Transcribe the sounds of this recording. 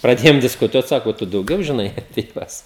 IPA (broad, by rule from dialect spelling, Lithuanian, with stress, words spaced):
prɐˈdʲeːjoːm dʲɪskʊˈtuɔt ˈsɑːkoː ˈtʊ dɐʊˈɡʲɛʊ ʒʲɪˈnɐɪ ɐpʲiɛ ˈjuɔs